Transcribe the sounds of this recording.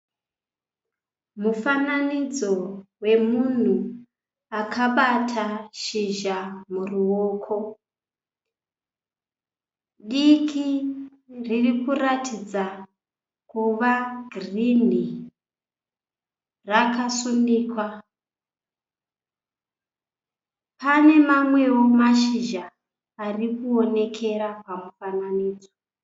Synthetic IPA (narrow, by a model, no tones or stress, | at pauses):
mufananid͡zo̞we̞mun̤u | akʰaɓatʰaʃiʒamuruwoːkʰo | ɗikʰi | ririkuɾatʰid͡za | kuʋaɡrini | rakasundiːkwa | pane̞mamwe̞womaʃiʒaː | rikuo̞ne̞kʰe̞ɾapamufananiːd͡zo